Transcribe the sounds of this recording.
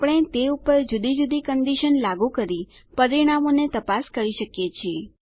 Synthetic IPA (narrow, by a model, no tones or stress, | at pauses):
pəɽ̃et̪eupəɾd͡ʒud̪id͡ʒud̪ikənd̪iʃənlaɡũkəɾipəɾiɽ̃amonet̪əpaskəɾiʃəkjet͡ʃʰie